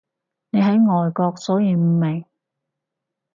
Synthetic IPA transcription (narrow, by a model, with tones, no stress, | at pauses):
ne˨˧jɦɐ˨˥jŋɔː˨jkɔː˧k̚sɔː˨˥jiː˧m̩˨˧mːe˨˩j